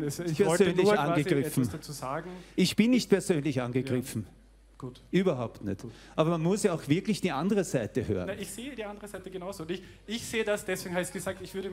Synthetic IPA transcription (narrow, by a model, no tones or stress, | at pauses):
spʰɛɐsøːnlɪçãnnːɡəɡʁɪfn̩d̥at͡suːzaːɡŋ̩ɪçb̥ɪnːɪçt̚pʰɛɐzøːnlɪçʔãnɡəɡʁɪfn̩ | ɡ̥uːtʔyːbɐɦaʊptnɛ̰t | ʔaːbɐmanmʊsjaaʊxv̥ɪɐklɪçd̥iːʔandəʁəzaɪtəhø̰ːʁə̰nɪçz̥eːədiːʔandəʁəzaɪtəɡənaʊzoʊntɪç | ɪçz̥eːədasd̥ɛsv̥eːɡŋ̩haɪçɡ̥əzaːk̚tɪçv̥ʏɐɾə